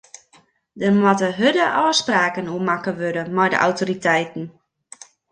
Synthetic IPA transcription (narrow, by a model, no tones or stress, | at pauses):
dərmwɔtəɦødəʔɔːspraːkənuəmakəʋødəmɛjdə̰ʔa̰wtoɾitʰɛjtn̩